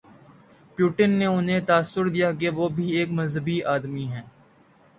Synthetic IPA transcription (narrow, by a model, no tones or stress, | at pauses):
pjuːʈɪnːeʊnɦẽt̪aːsːʊɾd̪ijak̬eʋoːbʱieːkmɐzɦəbiʔaːd̪miɦɛ̃ː